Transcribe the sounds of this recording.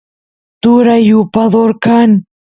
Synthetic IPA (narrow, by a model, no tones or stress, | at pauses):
t̪uɾajupaðoɾkan